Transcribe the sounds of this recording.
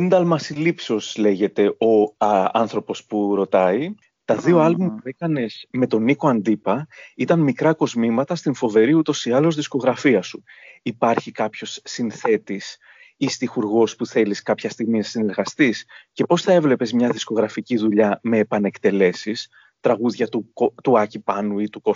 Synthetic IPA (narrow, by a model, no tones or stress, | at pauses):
ind̪ɐlmɐsilipseo̞sle̞ʝe̞t̪e̞o̞ɐnθɾo̞po̞spuɾo̞t̪ɐi | t̪ɐðio̞ɐlbumpuekɐne̞z̥me̞t̪o̞nikoɐnd̪ipɐit̪ɐnmikɾɐko̞zmimɐt̪ɐst̪iɱfo̞ve̞ɾiut̪o̞siɐlo̞zðisko̞ɣɾɐfiɐsuipɐɾçikɐpço̞sːinθe̞t̪is | ist̪ixuɾɣo̞spuθe̞liskɐpçɐst̪iɣminɐsine̞ɾɣɐst̪isce̞po̞sθɐe̞vle̞pe̞zmɲɐðisko̞ɣɾɐficiðuʎɐme̞ːpɐne̞kt̪e̞le̞sis | t̪ɾɐɣuðʝɐt̪uot̪uɐcipɐnuit̪uko